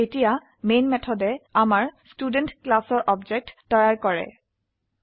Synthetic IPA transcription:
etija | menmɛtʰɔdɛamaɹstudɛntklasɔɹʔɔbd͡ʒɛk̚tːɔjaɹkɔɹɛ̰

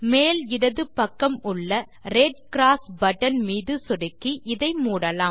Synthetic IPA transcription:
meːlɪɽɐðɯpːɐkːɐmʊɭːɐ | ɾeɖ̚kɪɾaːsbɐʈːɐnmiːðɯsɔɽɯkːiʔɪðɐɪmuːɽɐlaː

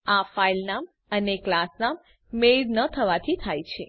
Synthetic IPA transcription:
afailnam | əneklasnamː | eɾnət̪ʰəʋat̪ʰit̪ʰajt͡ʃʰe

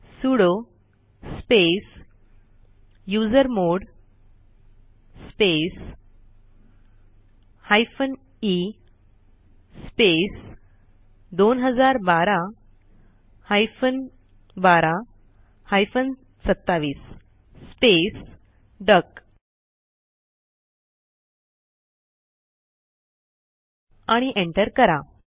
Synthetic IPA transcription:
suɽo | spes | jud͡zəɾmoɽ | spes | hajfən | i | spes | d̪onɦəd͡zaɾbaɾa | hajfən | baɾa | hajfən | sət̪ːaʋiːsː | pes | ɖək | aɽ̃iʔeɳʈəɾkəɾa

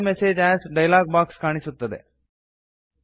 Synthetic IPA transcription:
meseːd͡ʑɛsɖɐjlaːɡ̚bakskaɽ̃isut̪ːəd̪ḛ

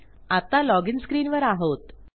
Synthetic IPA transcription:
at̪alɔɡinskɾiːnʋəɾaɦot̪

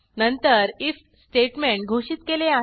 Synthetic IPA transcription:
nənt̪əɾif | sʈeʈmẽɳʈ̚ɡʱoɕiːt̪kelea

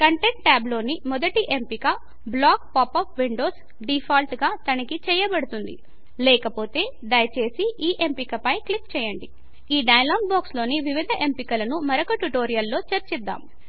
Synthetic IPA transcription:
kɐɳʈe̞ɳʈ̚ʈaːblo̞ːnimɔd̪ɐʈiʔempikɐ | blaːk̚paːpɐːpʰʋiɳɖo̞ːs | ɖipʰaːlʈɡaːt̪ɐnɐkit͡ʃɛːjɐbɐɽut̪und̪ḭ | lɛːkɐpo̞ːt̪e̞ː | ɖ̪ɐjɐt͡ʃe̞ːsiʔiːʔempikɐpɐjklik̚t͡ʃɛːjɐɳɖi | iːɖɐjɐlaːɡbaːkslo̞ːniʋiʋid̪ʱɐʔe̞mpikɐlɐnumɐɾokɐʈuʈo̞ːɾijɐlːo̞ːt͡ʃɐɾt͡ʃid̪ːa̰ːm

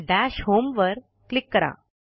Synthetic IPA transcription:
ɖæɕhomʋəɾ | klikːəɾa̰

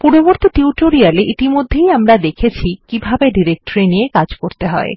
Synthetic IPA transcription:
puɾoboɾt̪iʈiuʈoɾialeʔit̪imod̪ʱːejamɾad̪ekʰet͡ɕʰikibʱabeɖiɾek̚ʈoɾiniekad͡ʑkoɾt̪eɦɔe

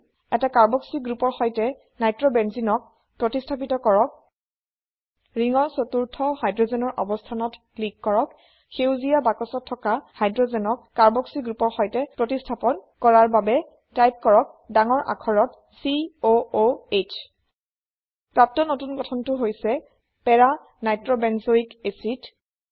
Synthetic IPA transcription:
ɛtakaɹbɔksiɡɹupɔɹxɔjtɛ | najtɹɔbɛnzinɔk̚ | pɹɔtistʰap̬itɔkɔɹɔk̚ | ɹiŋɔɹsotuɹtʰɔhajdɹɔzɛnɔɹʔɔ̰bɔstʰanɔt | likːɔɹɔk | xewzijabakɔsɔtʰːɔkahajdɹɔzɛnɔk̚ːaɹbɔksiɡɹupɔɹxɔjtɛpɹotistʰapɔnkɔɹaɹbabɛ | tajp̚kɔɹɔk̚daŋɔɹʔa̰kʰɔɹɔt | siooet͡ʃʰ | pɹap̚tɔnotunɡɔtʰɔntʊɦojsɛ | pɛɹa | najtɹɔbɛnzoikesit

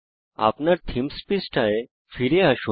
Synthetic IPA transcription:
a̰pnaɾt̪ʰimspisʈae | fiɾeaɕu

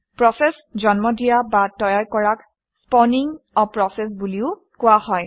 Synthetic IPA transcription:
pɹɔsɛs | zɔnmɔdijabatɔjaɹkɔɹak | spɔniŋɔpɹɔsɛs̬buliʊ | kʊwahɔj

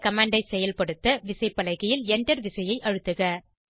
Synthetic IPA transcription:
kɐmaːɳɖɐɪsɛjɐlpɐɽɯt̪ːɐʋɪsɐɪpːɐlɐɣɐjɪlɛɳdɐɾʋɪsɐjɐɪʔɐɻɯt̪ːɯɣɐ

